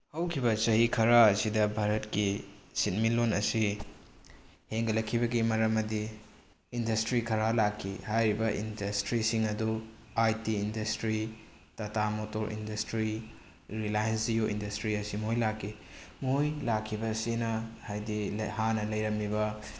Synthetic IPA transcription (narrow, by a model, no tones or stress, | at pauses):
hɐwkʰibɐsɐɦikʰɐɾaːsidɐbʱaɾɐtkisit̚milonɐsi | heŋɡɐlɐkʰːibɐɡimɐɾɐmːɐdiː | ndɐstɾikʰɐɾalakʰːihajɾibɐʔḭndɐstɾisiŋɐduajtiːndɐstɾi | tɐtamotoɾʔḭndɐstɾi | ɾilajɐnsijoʔḭndɐstɾiɐsimoojlakʰːimojlakʰːibɐsinɐhajdihanɐlɐjɾɐmibɐ